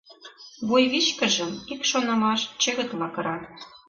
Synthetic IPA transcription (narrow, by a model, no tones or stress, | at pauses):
βujβit͡ɕkə̆ʒə̆mikʃonɑmɑʃt͡ɕɘ̆ɣə̆k̪lɑkɤ̆ɾɑt̪